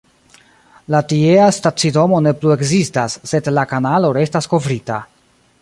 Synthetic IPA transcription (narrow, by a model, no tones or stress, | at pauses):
latieastat͡sido̞mo̞ne̞plue̞kzistasːe̞dlakanalo̞ɾe̞stasko̞vɾita̰